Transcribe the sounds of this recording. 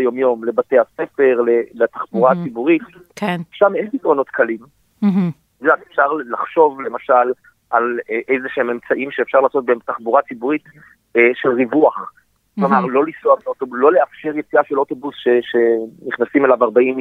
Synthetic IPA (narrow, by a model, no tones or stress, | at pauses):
jo̞mjo̞mle̞bate̞ase̞fe̞ʁlelataχbuʁat͡sibuʁit̪ | kʰenʃamenbitʁo̞no̞tkʰalim | zat̪efʃaʁlaχʃo̞vle̞maʃal | ʔalʔejzeʃeememt͡saʔimʃeefʃaʁlaːso̞t̚betaχbuʁat͡sibuʁit | ʃelʁivuaχ | lomaʁlo̞lisoavotobulo̞le̞afʃeʁjet͡siaʃeloto̞busʃeʃeniχnasime̞lavaʁbaim